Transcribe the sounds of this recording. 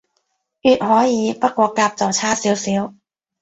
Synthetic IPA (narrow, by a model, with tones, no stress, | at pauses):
ʔyː˨˩t̪̚hɔː˨˥jjiː˨˥pa˥kːwɔː˧˩kaː˧˩p̚t͡sɔː˨˩t͡ɕʰaː˥siː˨˦˥wsi˨˥w